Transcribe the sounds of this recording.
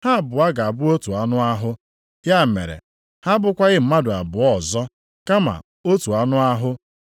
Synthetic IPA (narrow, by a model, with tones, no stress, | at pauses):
ha˦˨bʊ˨a˦ɡa˨a˨bʊ˦o˦tu˨a˦nʊ˦a˦ɦʊ˦ | ja˦˨mḛ˨ɾḛ˨ | ha˦bʊ˨kʷa˦ɣɪ˦m̩˦ma˦dʊ˨a̰˨bʊ˨ɔ˨zɔ˦ | ka˦ma̰˨ | o˦tu˨a˨˦nʊ˦a˦ɦʊ˦